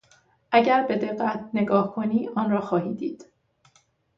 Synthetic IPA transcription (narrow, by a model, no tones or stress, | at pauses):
ʔæɟæɾbe̞d̪e̞ɢːæt̪ʰne̞ɡɒːhkʰo̞niːʔɒːnrɒːxɒːhiːd̪iːd̪̥